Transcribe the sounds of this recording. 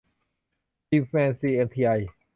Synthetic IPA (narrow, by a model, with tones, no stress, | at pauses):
i˧fɛ˧nsi˧e˧˩t̪ʰi˧a˧j